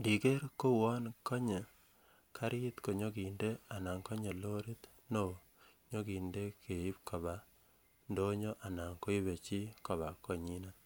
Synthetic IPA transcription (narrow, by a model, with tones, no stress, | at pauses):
di˨ke˦ɾko˦wɔ˦nkɔ˦ɲe˨ | kʰa˦ɾɪ˦t̪ko˨ɲo˦ki˨nde˦a˨na˨ŋko˦ɲe˨lo˦ɾi˦t̪ | no˨ | ɲo˦ki˨nde˦kʰe˨i˦p̚ko˨ba˨ | ndo˦ɲo˦ʔa˨na˨ŋko˦i˦be˨t͡ʃi˦kɔ˨βa˨ko˨ɲi˦na˦